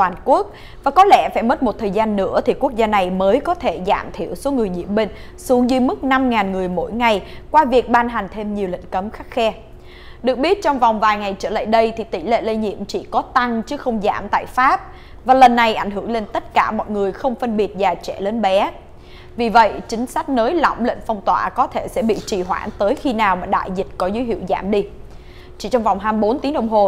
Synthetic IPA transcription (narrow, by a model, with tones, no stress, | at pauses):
waː˨˩nku˦˥ək̚ | vaː˨˩kɔ˨˦lɛ̰˧˥faː˧˩jmə˦˥t̚mo˨˩t̚t̪ʰəː˨˩jzaː˧nːɨ̰˧˥ət̪ʰi˨˩ku˦˥ək̚zaː˧na˨˩jməː˨˦jkɔ˨˦t̪ʰe˧˩za̰ː˧˩mt̪ʰḭ˧˨əwso˨˦ŋɨ˨˩əjɲḭ˧˨əmɓï˧˨ŋ̟ | su˨˦əŋzɨ˧mɨ˦˥k̚na˧mŋaː˨˩nŋɨ˨˩əjmo̰˧˥jŋa˨˩jkwaː˧vi˨˩ək̚ɓaː˧nɦa˨˩ŋ̟t̪ʰe˧mɲi˨˩əwlḭ˧˨ŋ̟kə˨˦mxa˦˥k̚xɛ˧ | ɗɨ˨˩ək̚ɓi˦˥ət̚t͡ɕɔ˧wŋ͡mva˨˩wŋ͡mvaː˨˩jŋa˨˩jt͡ɕəː˧˩lə̰˧˨jɗə˧jt̪ʰi˨˩t̪ḭ˧˩lḛ˧˨le˧ɲḭ˧˨əmt͡ɕḭ˧˩kɔ˨˦t̪a˧ŋt͡ɕɨ˨˦xə˧wŋ͡mza̰ː˧˩mt̪a̰ː˧˨jfaː˦˥p̚ | vaː˨˩lə˨˩nːa˨˩jʔa˧˩jŋ̟ɦɨ˧˩əŋle˧nt̪ə˦˥t̚kaː˧˩mɔ̰ː˧˨jŋɨ˨˩əjxə˧wŋ͡mfə˧nɓi˨˩ət̚zaː˨˩t͡ɕɛ̰˧˩le˨˦nɓɛ˨˦ | vi˨˩və̰˧˨jt͡ɕï˨˦ŋ̟sa˦˥jk̟̚nəː˨˦jlɔ̰˧˨wŋ͡mlḛ˧˨ŋ̟fɔ˧wŋ͡mt̪wa̰ː˧˩kɔ˨˦t̪ʰe˧˩sɛ̰˧˥ɓḭ˧˨t͡ɕi˨˩ɦwa̰ː˧˩nt̪əː˨˦jxi˧naː˨˩wmaː˨˩ɗa̰ː˧˨jzï˨˩t̟̚kɔ˨˦zə˨˦ɦḭ˧˩əwza̰ː˧˩mɗi˧ | t͡ɕḭ˧˨t͡ɕɔ˧wŋ͡mva˨˩wŋ͡mɦaː˧mɓo˨˦nt̪i˨˦ŋɗə˧wŋ͡mɦo˨˩